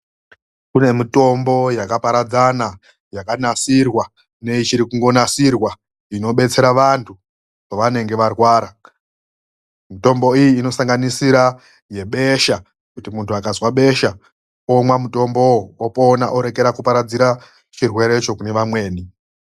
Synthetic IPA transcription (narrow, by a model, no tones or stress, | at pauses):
kune̞mito̞mbo̞jakapaɾad͡zana | jakanasirwa | ne̞it͡ʃiɾikuŋɡo̞nasirwa | ino̞ɓe̞t͡se̞ɾaʋantʰu | paʋane̞ŋɡe̞ʋarwaːɾa | mito̞mbo̞ijiːno̞saŋɡanisiɾa | je̞ɓe̞ʃa | kutimuntʰuakazwaɓe̞ʃa | omwamuto̞mbo̞woponaʔoɾe̞ke̞ɾakupaɾad͡ziɾa | t͡ʃirwe̞ɾe̞t͡ʃo̞kune̞ʋamwe̞ːni